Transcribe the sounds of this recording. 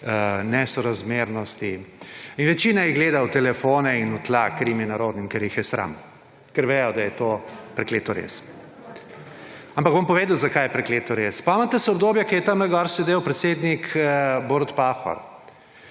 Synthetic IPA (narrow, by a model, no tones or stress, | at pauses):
nɛsɔɾazmeɾnɔst̪iinʋɛt͡ʃiːnajiɡleːd̪awt̪ɛlɛfonɛinut̪lakːɾimjɛnaɾoːd̪nimkɛɾjixjɛsɾa̰m | kɛɾʋejɔd̪ajɛt̪opɾɛkleːt̪ɔɾḛs | ampɐɡ̚bompɔʋeːd̪wzakajɛpɾɛkleːt̪ɔɾespɔamant̪ɛsɛɔbd̪oːbjɛkɛɾjɛt̪amlɛɡɔɾsɛd̪ewpɾɛt̪seːd̪nikʰboːɾt̪paxɔ̰ɾ